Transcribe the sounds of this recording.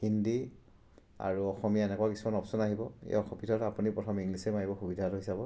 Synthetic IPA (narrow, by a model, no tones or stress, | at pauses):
hindi | a̰ɹuɔxɔmijaɛnɛkuwakisumanɔpsɔnaɦibɔḛjɔxɔpitʰɔtapunipɹɔtʰɔmiŋɡlisemaɹibɔxubidʱatuɦisabɔ